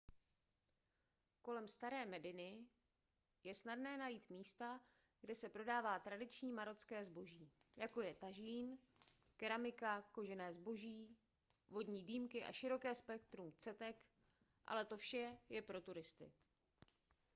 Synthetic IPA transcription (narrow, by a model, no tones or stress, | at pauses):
ko̞lɛmst̪aɾɛːmɛdɪnɪ | jɛsnadnɛːnajiːt̪miːst̪a | ɡdɛsɛpɾo̞daːvaːt̪ɾadɪt͡ʃɲiːmaɾo̞t͡skɛːzbo̞ʒiː | jako̞jɛt̪aʒiːn | kɛɾamɪkako̞ʒɛnɛːzbo̞ʒiː | vo̞dɲiːdiːmkɪʔa̰ʃɪɾo̞kɛːspɛk̚t̪ɾumt͡sɛt̪ɛk | ʔa̰lɛt̪ofʃɛjɛpɾo̞t̪uɾɪst̪ɪ̰